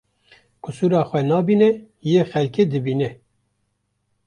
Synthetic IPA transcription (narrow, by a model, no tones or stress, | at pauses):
kʊsuːɾɑːxʷɛnɑːbiːnɛ | jeːxɛlkeːd̪ɨbiːnɛ